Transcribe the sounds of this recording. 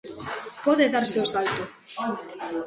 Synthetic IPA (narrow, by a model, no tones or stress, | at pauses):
poðeðaɾseosalt̪o